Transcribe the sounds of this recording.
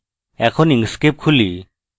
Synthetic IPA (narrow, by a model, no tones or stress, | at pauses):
ɛkʰɔniŋskep̚kʰuli